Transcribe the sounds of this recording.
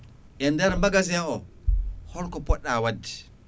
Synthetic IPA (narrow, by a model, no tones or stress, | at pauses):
ʔɛndɛɾmaɡazɛɔ | hɔɾkɔpɔɗːawadːi̥